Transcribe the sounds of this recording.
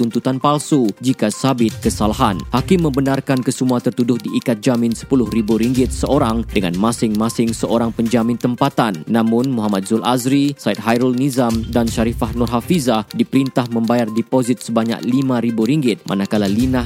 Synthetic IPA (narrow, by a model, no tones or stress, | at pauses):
t̪unt̪ut̪anpalsud͡ʒikasabɪt̪̚kəsalaɦanhakɪmːə̃mbənarkankəsəmuat̪ərt̪udʊhdiːkat̪̚d͡ʒamɪnsə̥pulʊhribuɾiŋɡɪt̪̚səʔoɾaŋdəŋanmasɪŋmasɪŋsəʔoɾaŋpəɲd͡ʒamɪ̃nt̪əmpat̪anːãmʊnmuɦamat̪̚zʊlʔazɾisait̪̚ɦajɾɔlnizamdanʃaɾifahnʊrɦafizadipəɾint̪ahmə̃mbajardɛpozɪt̪̚səbaɲa̰k̚limãɾibuɾiŋɡɪt̪̚mʔa̰nakalalinah